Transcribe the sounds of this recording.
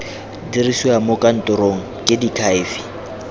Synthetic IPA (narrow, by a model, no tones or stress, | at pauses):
diriswamokʼan̩tʼʊɾoŋ̩kʼɪdikʰaɪːfi̥